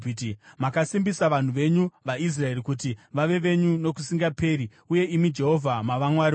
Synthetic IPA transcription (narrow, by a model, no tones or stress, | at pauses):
makasimbisaʋan̤uʋe̞ɲuʋais̬rae̞rikutiʋaʋe̞ʋe̞ɲuno̞kusiŋɡape̞ːɾi | uje̞imid͡ʒe̞ɦo̞vʱamaʋamwaɾi